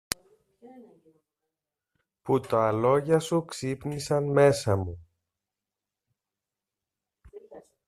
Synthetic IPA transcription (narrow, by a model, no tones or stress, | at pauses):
put̪ɐɐlo̞ʝɐsuksipnisɐnme̞sɐmu